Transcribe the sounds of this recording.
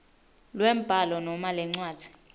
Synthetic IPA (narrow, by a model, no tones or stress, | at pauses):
lwɛm̩b̥ʱalɔnɔmalɛŋ͡ǀwaːd̥ʱi̥